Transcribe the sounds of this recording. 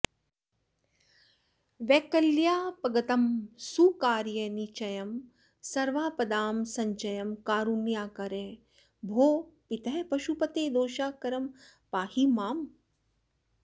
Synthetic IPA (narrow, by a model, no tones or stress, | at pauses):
ʋɛːkɐljaːpɐɡɐt̪ɐmsukaːɾjɐnit͡ʃɐjɐm | sɐɾʋaːpɐd̪aːmsɐ̃ɲt͡ʃɐjɐmkaːɾunjaːkɐɾẽ | bʱoːpit̪ʰɐpɐʃupɐt̪eːd̪oːʃaːkɐɾɐm | paːhimaːm